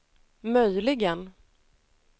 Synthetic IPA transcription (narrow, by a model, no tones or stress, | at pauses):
mœjlɪɡən